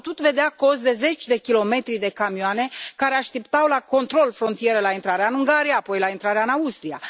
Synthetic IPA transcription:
t̪ut̪ve̞d̪eako̞sd̪e̞ze̞t͡ʃʲd̪e̞kʲilo̞me̞t̪ɾid̪e̞kamioane̞kaɾeaʃt̪ept̪awlako̞nt̪ɾo̞lfɾo̞nt̪ije̞ɾelaint̪ɾaɾeaɨnɨŋɡaɾijaːpo̞jlaint̪ɾaɾeaɨnaust̪ɾija̰

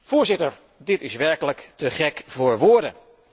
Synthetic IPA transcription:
v̥ʊːɹzɪtəɹ | dɪtɪsʋɛɹkələktəχɛkvʊːɹʋoːɹdə̰n

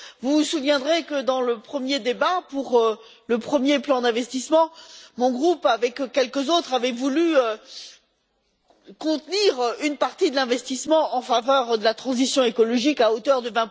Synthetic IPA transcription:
vusuvjɛ̃d̪ʁekəd̪ɑ̃ləpχəmjed̪ebapuʁ | ləpχəmjeplɑ̃d̪ɛ̃vɛst̪ismɑ̃mɔ̃ɡʁupavɛkkʲːɛlkəzot̪χavɛvulyø | kɔ̃t̪niʁynpaʁt̪id̪əlɛ̃vɛst̪ismɑ̃ʔɑ̃favœʁd̪əlat̪χɑ̃zisjɔ̃ekɔlɔʒikaot̪œʁd̪əvɛ̃

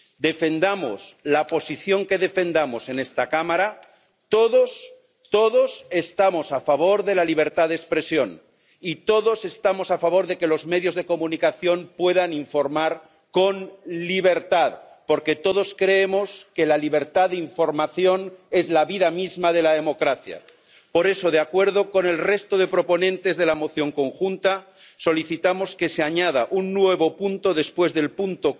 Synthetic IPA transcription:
d̪e̞fe̞nd̪amo̰slapo̞siθjo̞ŋke̞ðe̞fe̞nd̪amo̞se̞ne̞st̪akamaɾa | t̪oðos | t̪oðo̞se̞st̪amo̞safaβ̞o̞ɾðe̞laliβ̞e̞ɾt̪aððekspɾe̞sjo̞n | it̪o̞ðo̞se̞st̪amo̞safaβ̞o̞ɾðe̞ke̞lo̞zme̞ðjo̞zð̞e̞ko̞mũnikaθjo̞mpwe̞ðaniɱfo̞ɾmaɾ | ko̞nliβeɾt̪að | po̞ɾke̞t̪o̞ðo̞skɾe̞emo̞ske̞laliβ̞e̞ɾt̪aðeiɱfo̞ɾmaθjo̞ne̞zlaβiðamizmað̞e̞laðe̞mo̞kɾaθja̰ | po̞ɾe̞so̞ð̞eakwe̞ɾð̞oko̞ne̞lre̞st̪oð̞e̞pɾo̞po̞nẽnt̪e̞zðe̞lamo̞θjo̞ŋko̞ŋxunt̪a | so̞liθit̪amo̞ske̞seaɲað̞aʔunːwe̞β̞o̞punt̪o̞ðe̞spwe̞zðe̞lpunt̪o

